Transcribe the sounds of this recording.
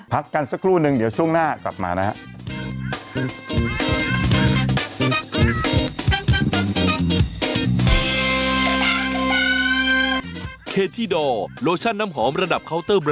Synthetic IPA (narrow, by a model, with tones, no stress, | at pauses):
pʰa˦˥kːa˧nsa˦˥kʰɾuː˥˩nɯ˧ŋdi˩˦wt͡ɕʰu˥˩əŋnaː˥˩kla̰˨˩p̚ma̰ː˧na˦˥ha˦˥ʔ | kʰeː˧t̪ʰiː˥˩dɔː˧˩loː˧t͡ɕʰa˥˩nːaː˦˥mɦɔː˩˦mɾa˧da˨˩p̚kʰa˦˥wt̪ɤː˥˩b